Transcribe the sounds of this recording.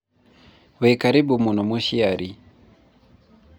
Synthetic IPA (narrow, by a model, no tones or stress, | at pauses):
wekaɾibumunomuʃiaɾi